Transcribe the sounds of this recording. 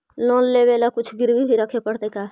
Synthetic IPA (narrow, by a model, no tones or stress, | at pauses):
loːnleʋeːlakʊt͡ʃʰɡɪɾbibʱiɾəkʰepəɽt̪ekaː